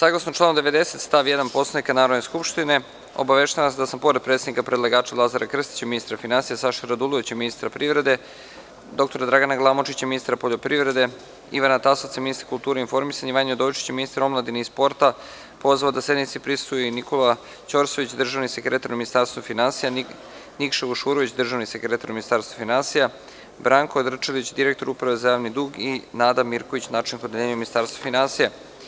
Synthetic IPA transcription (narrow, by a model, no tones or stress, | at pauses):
saːɡlˠasnoʈ͡ʂlanomd̪eʋe̞d̪eset̪st̪aʋjed̪anpo̞slaikanaːɾo̞d̪neskupʃt̪ine̞ | o̰baʋeʃt̪alased̪asampo̞ɾed̪̚pɾet̪ed̪nikapɾed̪lˠaɡaːt͡ʃalˠazaɾʔakr̩st̪i̥t͡ɕaminist̪ɾafinansijasaʃaɾad̪ulˠoit͡ɕaminist̪ɾapɾiʋɾe̞d̪e̞ | d̪o̞kt̪o̞ɾad̪ɾaɡanaɡlˠamot͡ʃit͡ɕaminist̪ɾapoʎo̞pɾiʋɾe̞d̪e̞ | ḭʋanat̪asot̪sjaminist̪ɾakulˠt̪uːɾeinfo̞ɾmisaɲiʋaɲod̪ojit͡ʃi̥t͡ɕeminist̪ɾomlˠad̪inispo̞ɾt̪a | po̞zʋaod̪asje̞d̪nit̪sipɾist̪ujnikola | t͡ɕoɾsoʋit͡ɕd̪r̩ʒaʋnisekɾe̞t̪aɾnuminist̪aɾst̪vofinansija | nikʃeʋuʃuɾoʋit͡ɕd̪r̩ʒaʋnisekɾe̞t̪aɾuminist̪aːɾst̪vofinansija | bɾaŋkod̪r̩t͡ʃelit͡ɕd̪iɾe̞k̚t̪o̞ɾupɾaʋe̞zajaːʋnid̪uɡinaːd̪amiɾkoʋit͡ɕnat͡ʃinkod̪elʲeːɲuminist̪aːɾst̪vofinansija